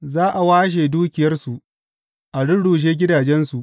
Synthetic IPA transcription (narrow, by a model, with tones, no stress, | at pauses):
zaː˦ʔa˨waː˦ʃ̬eː˨duː˦kʲɪ˨jɐ˦rsu˨ʔ | ʔa˨ɽʊ˦ɽuː˨ʃ̬eː˦ɡʲɪ˦daː˨d͡ʒɛ˦nsu˨ʔ